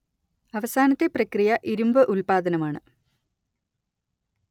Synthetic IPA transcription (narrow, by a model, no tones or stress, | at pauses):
ɐʋɐsaːnɐt̪ːeprɐkrijɐʔiɾumbɨʔulpaːd̪ɐnɐmaːɳɨ